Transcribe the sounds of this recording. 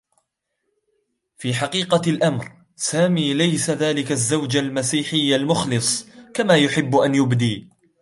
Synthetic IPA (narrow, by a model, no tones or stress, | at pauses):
fiːħaqiːqɑlʔamɾ | saːmiːlajsaðaːlɪkazːawd͡ʒalmasiːħɪjːalmʊxlɨsˤkamaːjʊħɪbːʔanjʊbd̪iː